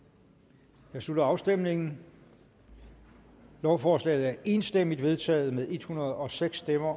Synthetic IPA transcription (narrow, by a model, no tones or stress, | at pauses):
jɑ̈ɪslud̥ɐɑ̈ʊsd̥emne̝ŋn̩ | lɒʊfɒːslɛ̰ːð̞̩ˠæɐʔe̝ːnsd̥em̰id̥ʋe̝ð̞ˠt͡sʰɛ̰ːð̩ˠmeðˠe̝d̥hunɐð̞̩ˠɒ̽seɡ̥sd̥emɐ